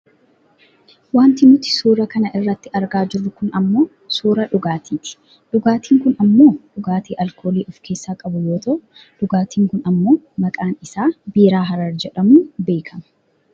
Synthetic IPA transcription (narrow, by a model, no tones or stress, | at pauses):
waːnt̪ɪnʊt̪ɪ̥suːɾɐkɐnɐʔɪrːɐt̪ːɪɐɾɡaːd͡ʒɪɾːʊkʊnɐmːo̞ː | suːɾɐᶑʊɡaːt̪ʰiːᶑɪ̥ | ᶑʊɡaːt̪iːŋkʊnɐmːo̞ːᶑʊɡaːt̪iːʔɐlkʰo̞ːliːʔɔfkʰe̞ːsːaːkʼɐbʊjo̞ːt̪ɐʔʊ | ᶑʊɡaːt̪iːŋkʊnɐmːo̞ːmɐkʼaːnɪsaːbiːɾaːɦɐɾɐɾd͡ʒɛᶑɐmuːbe̞ːkʰɐmɐ̥